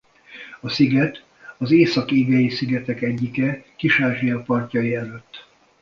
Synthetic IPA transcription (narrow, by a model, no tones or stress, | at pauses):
ɒsiɡɛt̪ | ɒzeːsɒkeːɡɛjisiɡɛt̪ɛkɛɟːikɛkiʃaːʒijɒpɒrcɒjiɛløt̪ː